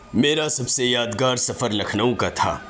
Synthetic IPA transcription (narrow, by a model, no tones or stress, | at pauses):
meːɾasɐbsejaːd̪ɡaːɾsɐfəɾlɐkʰnəõkat̪ʰa̰ː